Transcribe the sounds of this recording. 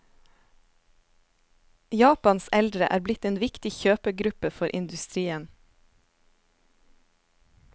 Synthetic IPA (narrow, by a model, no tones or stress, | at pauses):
jɑːpɑnsɛld̪ɾəʔæ̰ːɾblɪt̪eːnʋɪkt̪ɪçøːpəɡɾʉpəfɔɾʔɪ̰nd̪ʉst̪ɾiːən